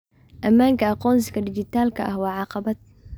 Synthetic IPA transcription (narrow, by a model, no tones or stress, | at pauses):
ʔɐmaːŋkɐɑqɔːns̬kɐdɪd͡ʒɪt̪aːlkʰɐʔɐhwɑːʕɑqɑbɐt̪̚